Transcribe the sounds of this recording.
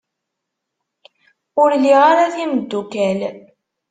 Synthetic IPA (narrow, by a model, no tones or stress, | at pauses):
ʊɾliʁaɾaθiməd̪ːukæl